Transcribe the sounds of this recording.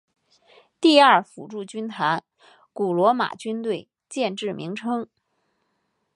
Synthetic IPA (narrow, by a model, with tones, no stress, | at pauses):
t̪i˥˧a˥˩fṵ˨˩ʈ͡ʂu˥˩t͡ɕy˥nt̪ʰa˧˥n | ku˨˩lwɔ˧˥ma̰˨˩t͡ɕy˥nt̪we˥˧ɪ | t͡ɕjɛ˥˧nʈ͡ʂɻ̩˥˩mʔḭ˧˥ŋʈ͡ʂʰɤ˥ŋ